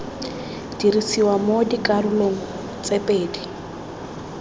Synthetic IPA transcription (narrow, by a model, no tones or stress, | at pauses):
d̥iɾisiwamodikʼarʊloŋ̩ | t͡sʼepʼeːdi